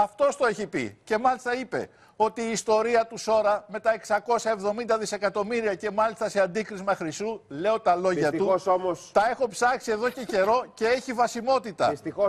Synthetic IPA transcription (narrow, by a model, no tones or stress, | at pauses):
ɐft̪o̞st̪o̞e̞çipḭce̞mɐlist̪ɐipe̞̰ | o̞t̪iːst̪o̞ɾiɐt̪uso̞ɾɐme̞t̪ɐe̞ksɐko̞sɐe̞vðo̞mind̪ɐðise̞kɐt̪o̞miɾiɐce̞mɐlist̪ɐse̞ɐnd̪ikɾizmɐxɾist̪ule̞o̞t̪ɐlo̞ʝɐt̪uosomost̪ɐe̞xo̞psɐksie̞ðo̞ce̞ce̞ɾo̞ce̞e̞çivɐsimo̞t̪it̪ɐ̰ist̪io